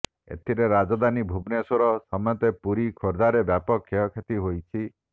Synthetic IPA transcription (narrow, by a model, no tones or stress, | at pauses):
ḛt̪ʰiɾeɾad͡ʒɔd̪anibʱubnesɔɾɔsɔmɔjɔt̪epuɾikʰɔɾd̪aɾebjapɔkʰːjɔkʰet̪iɦojt͡ʃʰi